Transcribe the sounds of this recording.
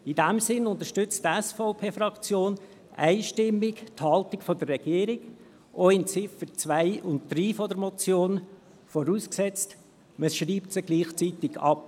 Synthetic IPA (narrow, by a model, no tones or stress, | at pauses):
ɪdæmsɪnʊnt̪əʃtʏt͡stɛsfɔʊpʰeːfrɑkt͡sjoːn | æ̰ɪʃtɪmːɪkthɑltɪkfɔdərːɛɡ̥iːɾɪɡ | ʔɔɪnt͡sɪfət͡svæɪʔʊntd̥ɾiːfɔdəɾmɔt͡sjoːn | fɔɾuːsksɛt͡st | məsʃriːptsəɡliːχt͡sitɪɡɑ̰p̚